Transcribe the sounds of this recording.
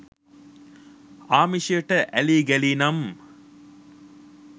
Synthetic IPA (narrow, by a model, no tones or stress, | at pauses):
aːmiʃijəʈəʔæliːɡæliːnɐm